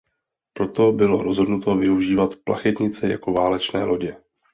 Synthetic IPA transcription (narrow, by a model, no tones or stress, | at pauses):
pɾo̞t̪o̞bɪlo̞ɾo̞zɦodnut̪o̞vɪuʒiːvat̪pla̰xɛt̪ɲɪt͡sɛja̰ko̞vaːlɛt͡ʃnɛ̰ːlʔo̞ɟɛ